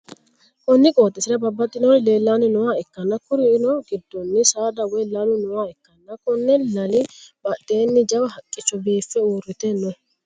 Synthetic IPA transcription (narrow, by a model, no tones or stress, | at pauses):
kɔnːɪkʼo̞ːt̪ʼːɪsɪɾɐbɐbːɐt̪ʼːɪnɔle̞ːlːanɪnʊwaːɛkːɐnːɐkʊɾɪːnɔɡɪd̪ːɔnːɪsaːd̪ɐwɔjlɐlʊnɔwaːɛkːɐnːɐkːɔnːɛlɐlɪbɐɗːeːnːɪd͡ʒɐbɐɦɐkʼːɪt͡ʃːɔbiːfːɛuːrːɪt̪ɛnːɔ